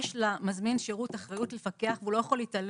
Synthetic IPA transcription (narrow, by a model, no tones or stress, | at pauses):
ʃlamazminʃeʁutaχʁajutlefake̞aχveulo̞jaχo̞lital